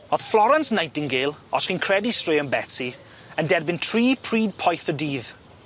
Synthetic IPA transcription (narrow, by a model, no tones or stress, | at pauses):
ɔð̥flɔɾãnsnajtɪ̃ŋɡelˠɔsχinkʰɹɛdistɹeːə̃nbɛtsi | ə̃ndɛdbɪ̃ntʰɹiːpʰɹiːd̚pʰɔjθədiːð